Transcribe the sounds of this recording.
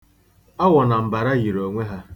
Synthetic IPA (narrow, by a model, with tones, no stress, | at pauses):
a˦wɔ˨na˨m̩˨ba˨ɾa˦ɣi˨ɾo˨ŋʷe˦ɦa˦